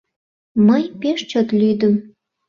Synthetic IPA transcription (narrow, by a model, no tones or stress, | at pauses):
məjpeʃt͡ɕot̪lyd̪əm